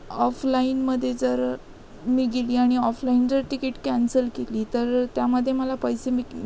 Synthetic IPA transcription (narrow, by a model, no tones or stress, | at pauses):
ɔflainməd̪ʱːjed͡zəɾ | miːɡeliːaɽ̃iɔflaind͡zəɾʈikeʈkænsəlkeliːt̪əɾt̪jaməd̪ʱːjeməlapəjsemiː